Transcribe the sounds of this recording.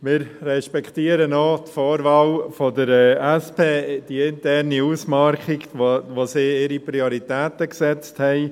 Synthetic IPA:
mɪːɾrɛʃpɛkχt̪iːəɾənot̪fɔːɾvɑwfodəɾɛɛspeːd̥iɪntɛrniuːsmɑɾχiɡʋosiːɪɾipɾioɾit̪ɛːt̪əksɛt͡sthɛɪ

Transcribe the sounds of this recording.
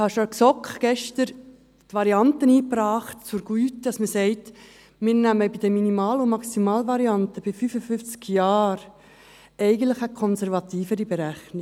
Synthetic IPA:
hɑʃoksɔkχɡ̥ɛʃtəɾ | tʋɑɾiɑntəniːpɾɑːχtt͡sʊɾɡ̥yːtd̥ɑsməsɛɪt | mɪːɾnæməbid̥əminimɑːlʊmɑksimɑːlvɑɾiɑntəb̥ɪfyfəfʏft͡skjɑːɾ | ɛɪɡən̩tləχəkʰɔnsɛɾvɑt̪iːfəɾibɛɾæχni

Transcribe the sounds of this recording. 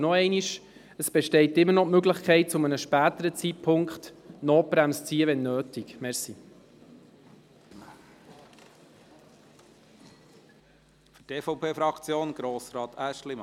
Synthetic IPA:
nɔɛɪniʃ | əsb̥ɛʃtɛɪtɪmːəɾnɔmøɡlɪχkʰɛɪt̚t͡sʊmənəʃpæːt̪əɾət͡sit̚pʰʊŋkχt̪noːpɾæmst͡siːəʋɛnːøːtikmɛɾsi | fyteːfɔwpʰeːfɾɑkt͡sjoːnɡ̥ɾoːsɾɑːt̪æʃlim

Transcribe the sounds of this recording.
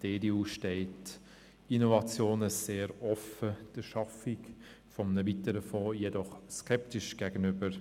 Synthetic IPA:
d̥eːdiuːʃtɛɪt | inovɑt͡sjoːnəseːɾɔfəd̥əʃɑfɪk | fɔmnəvitəɾəfɔːjedɔχskʰɛptɪʃɡ̥æɡənʏbəɾ

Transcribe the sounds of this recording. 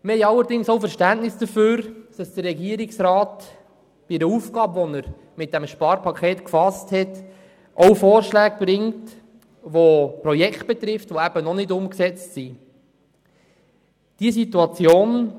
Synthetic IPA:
mɪhɛɪjɑlːəɾdɪŋsowfəɾʃtænʔnɪsd̥əføːɾd̥ɑsd̥ərːɛɡiəɾɪksɾɑːt | b̥iɛɾəuːfɡ̥ɑːbʋɔnəɾ | mɪt̚d̥æmʃpɑːɾpʰɑkʰχeːt̪kfɑsthɛt | ʔɔʊfoːɾʃlæːɡ̚b̥ɾɪŋt | ʋopɾɔjɛkʰt̚b̥ɛt̪ɾɪftʋoæb̥ənɔnɪdʊmksɛt͡stsi | d̥iəsituɑt͡sjoːn

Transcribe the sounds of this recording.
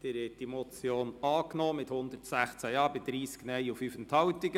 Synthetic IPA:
d̥eɾɪt̚d̥imɔt͡sjoːnɑːknɔːmɪthʊnd̪ətsæχt͡sæjɑːbɪd̥̪ɾiːsknɛjufyːfəntʰɑwtɪɡə

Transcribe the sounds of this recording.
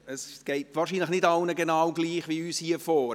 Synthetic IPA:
əsɡ̥ɛɪtʋɑːʃiːnləχnɪdɑlnəɡenɑːwɡliːχʋiyːshiəfoː

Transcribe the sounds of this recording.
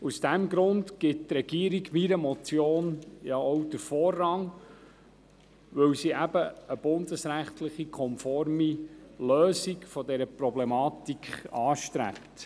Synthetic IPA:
usd̥æmɡɾʊndɡ̥ɪttɾɛɡ̥iːəɾiɡmiɾəmɔt͡sjoːnjɑɔwd̥əɾfɔːrːɑŋ | ʋɵwsiʔæbəəb̥ʊnd̥̪əsɾæχtləχikʰɔmfɔɾmiløːsikfɔdɛɾəpɾɔblɛmɑːtikχɑːʃtɾæ̰pt

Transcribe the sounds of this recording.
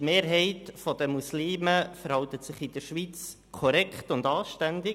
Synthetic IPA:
meːɾɦɛɪtfɔd̥̪əmusliːməfəɾhɑwt̪ət̪sɪχɪd̥̪əɾʃʋit͡s | kʰɔɾɛkχtʊndɑːʃtænd̪ɪ

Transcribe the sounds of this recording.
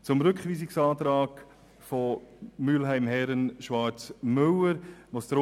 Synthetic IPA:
t͡sʊmɾʏkχʋiːs̬ɪksɑːtɾɑːk | fɔmyːlɦæɪmhɛɾənʃvɑɾt͡smʏwəɾʋostɾo

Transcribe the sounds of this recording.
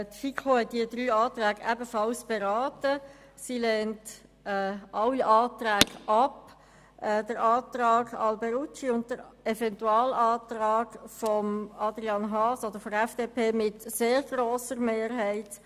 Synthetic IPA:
tfikʰohɛt̚diəd̥̪ɾyːɑːt̪ɾæːɡʔæbəfɑlsb̥ɛɾɑːtə | silɛːnt | ɛʔɑwːiʔɑːtɾæːɡ̥ʔɑp | ʔɛdəɾɑːtɾɑːɡɑ̰lbɛɾut͡ʃiʊnt̚d̥əɾɛvɛntuɑːlɑːtɾɑːɡ̥fɔmɑd̪ɾiɑnɦɑːsodəɾfɔɛfd̥epʰeːmɪtseːɾɡɾoːsəɾmeːɾɦɛɪt

